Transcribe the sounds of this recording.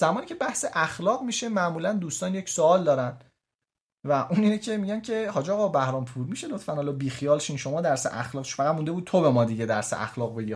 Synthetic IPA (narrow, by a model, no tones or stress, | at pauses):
z̥æmɒːniːcʰebæhseʔæxlɒːʁmiːʃe̞mæʔmuːlænd̪uːst̪ɒːnjecsoɒːld̪ɒːɾæn | væʔuːniːnecʰe̞miɟæncʰe̞hɒːd͡ʒɒːɣɒbæhɾɒːmpʰuːɾmiːʃe̞lot̪fænhɒlɒːbiːxijɒːlʃinʃo̞mɒːd̪æɾsḛʔæ̰xlɒːɣt͡ʃʰfæʁæd̪̚mũnd̪bud̪t̪̚t̪ʰo̞bemɒːd̪iɟe̞d̪æɾsḛʔæ̰xlɒːɣbe̞ɡi